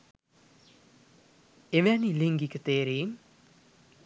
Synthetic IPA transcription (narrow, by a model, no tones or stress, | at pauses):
eʋæniliŋɡikət̪eːɾiːm